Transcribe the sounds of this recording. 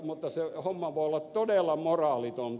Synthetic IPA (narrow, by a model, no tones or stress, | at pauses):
mut̪ːɑsehomːɑʋoˑiolːɑt̪t̪odeˑlːɑmorɑːˑlit̪ont̪